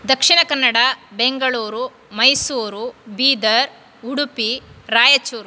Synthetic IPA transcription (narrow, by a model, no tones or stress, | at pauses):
d̪ɐkʂiɳɐkɐnːɐɽɐbeŋɡɐɭuːɾu | mɐjsuːɾubiːd̪ɐɾ | uɽupiɾaːjɐt͡ʃuːɾu